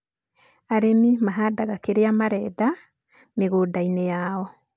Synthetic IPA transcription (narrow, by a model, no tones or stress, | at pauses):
aɾemimaɦadaɣakeɾeamaɾɛːda | meɣodainejaɔ